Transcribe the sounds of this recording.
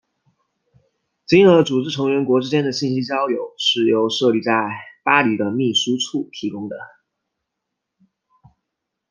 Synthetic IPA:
t͡ɕi˥ŋə˧˥ʈ͡ʂu˨˩ʈ͡ʂɻ̩˥˩ʈ͡ʂʰɤ˧˥ŋɥɛ˧˥nkwɔ˧˥ʈ͡ʂɻ̩˥t͡ɕjɛ˥nd̪ə˨ɕi˥˩nɕi˥t͡ɕjɑ˥ʊjo˨˩ʊʂɻ̩˥˩jo˧˥ʊʂɤ˥˧li˥˧t͡sa˥˩ɪpa˥li˨˩d̪ə˦mi˥˩ʂu˥ʈ͡ʂʰu˥˩t̪ʰi˧˥kʊ˥ŋd̪ə̰˨

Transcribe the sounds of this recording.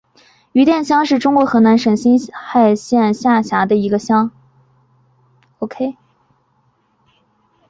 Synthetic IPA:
y˧˥t̪jɛ˥˩nɕjɑ˥ŋʂɻ̩˥˩ʈ͡ʂʊ˥ŋkwɔ˧˥xɤ˧˥na˧˥nʂə˨˩ŋɕi˥nxa˥˧ɪɕjɛ˥˩nɕja˥˩ɕja˧˥d̪ə˧i˧˥ɡə˧ɕjɑ˥ŋ | o˨ʊkʰe˥ɪ

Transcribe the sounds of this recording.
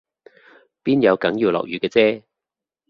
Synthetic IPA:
piː˥njɐ˨˧wkɐ˨˥ŋjiː˨˩wlɔ̰˨k̚jyː˨˧kɛː˧t͡sɛː˥

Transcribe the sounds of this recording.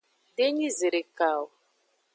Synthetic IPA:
de˦ɲi˦ze˨ɾe˨ka˨w

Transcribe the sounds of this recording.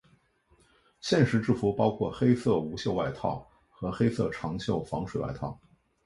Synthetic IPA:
ɕjɛ˥˩nʂɻ̩˧˥ʈ͡ʂɻ̩˥˩fu˧˥pɑ˥ʊkʰwɔ˥˩xe˥ɪsɤ˥˩u˧˥ɕjo˥˧ʊwa˥˧ɪt̪ʰɑ̰˥˩ʊ | xɤ˧˥xe˥ɪsɤ̰˥˩ʈ͡ʂʰɑ˧˥ŋɕjo˥˩ʊfɑ˧˥ŋʂwe˨˩˦wa̰˥˧ɪt̪ʰɑ˥˩ʊ

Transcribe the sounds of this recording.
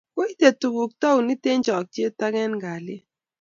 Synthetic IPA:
ko˦i˦te˨tu˨ɡu˨k̚tɔ˦u˨ni˦te˦nd͡ʒɔ˨k̚tje˦ta˦ɡɛ˦nɡa˨lɪ˦

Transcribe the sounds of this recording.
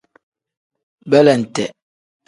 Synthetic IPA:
bɛ˦lɛ˨n̩˨tɛ˨

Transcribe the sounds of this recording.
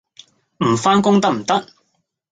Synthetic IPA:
m̩˨˩faː˥nkʊ˥ŋt̪ɐ˥k̚m̩˨˩t̪ɐ˥k̚

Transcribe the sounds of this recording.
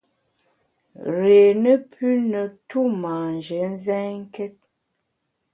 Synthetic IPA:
ɾe˨nə˦pʰʉ˦nə˨tu˦ma˨nd͡ʒə˨˦n̩˦zɛ˦ŋ̩˦kɛ˦t̚

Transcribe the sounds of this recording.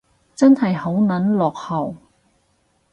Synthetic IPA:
t͡sɐ˥nhɐ˨jho˨˥wnɐ˨˥nlɔː˨k̚hɐ˨˩w

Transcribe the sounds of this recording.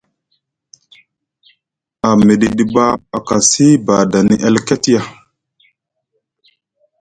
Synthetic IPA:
a˨me˨ɗi˨ɗi˨ba˦a˨ka˨si˦ba˨da˨ni˨ʔɛ˦lke˦ti˦ja˦

